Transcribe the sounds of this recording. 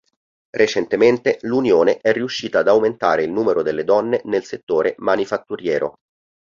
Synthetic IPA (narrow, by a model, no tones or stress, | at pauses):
ret͡ʃent̪ement̪elunjoːneʔɛrːiuʃːiːt̪aːd̪awment̪a̰ːɾeilnuːmeɾod̪elːed̪ɔnːenelset̪ːoːɾemanifat̪ːuɾjɛːɾo̰